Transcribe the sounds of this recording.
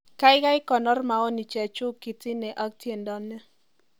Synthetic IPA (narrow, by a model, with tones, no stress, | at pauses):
ka˦ɪ˦ɡa˦ɪ˦kɔ˨nɔ˦rma˨ɔ˦ni˨t͡ʃɛ˨t͡ʃʊ˦ki˨ti˦nɛ˨ʔa˦k̚tje˨ndɔ˨nːɛ˦